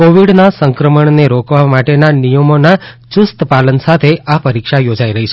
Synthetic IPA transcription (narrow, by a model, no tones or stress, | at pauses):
koʋiɽnasəŋkɾəməɳneɾokʰʋamaʈenanijəmona | t͡ʃʊst̪əpalənsat̪ʰeʔapəɾikʃajod͡ʒaiɾəɦit͡ʃʰe